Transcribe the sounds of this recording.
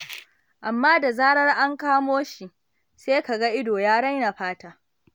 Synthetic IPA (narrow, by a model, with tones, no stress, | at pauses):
ʔa˨mːaː˦da˨zaː˦ɽɐ˦rʔa˦ŋkaː˦moː˦ʃi˨ | seː˦ka˨ɡa˦ʔɪ˦doː˨jaː˦ɽɐ˦jna˨ɸaː˦taː˦